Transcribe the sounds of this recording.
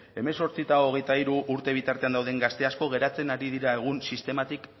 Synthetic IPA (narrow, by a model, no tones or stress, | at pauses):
e̞me̞so̞ɾt͡sit̪aoɣ̞e̞jt̪aiɾuʔːɾt̪e̞β̞it̪aɾt̪e̞and̪awðe̞ŋɡast̪e̞asko̞ɣe̞ɾat͡se̞naɾiðiɾaeɣ̞unsist̪e̞mat̪ik